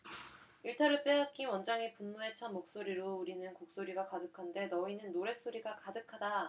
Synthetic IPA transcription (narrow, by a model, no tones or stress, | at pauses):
iɭtʰaɾɯɭp͈eɦak͈iwʌnd͡ʑaŋipunːue̞t͡ɕʰanmok̚s͈oɾiɾouɾinɯnkok̚s͈oɾiɡakadɯkʰande̞nʌinɯnːoɾe̞s͈oɾiɡakadɯkʰada